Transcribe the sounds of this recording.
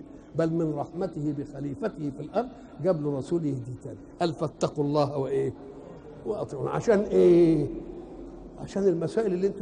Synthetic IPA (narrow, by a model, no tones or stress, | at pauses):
bælmɪnɾˤɑħmæt̪ɪhɪbɪxæliːfæt̪ɪhɪfilʔɑɾˤd̪̚ˤ | ɡæblɾˤɑsuːljɪhd̪iːt̪æːniʔælfæt̪ːɑqulˤːɑːhweʔeː | weʔɑt̪ˤɾuːnʕa̰ʃæːnʔeː | ʕa̰ʃæːnɪlmæsæːʔɪlelːiːʔent̪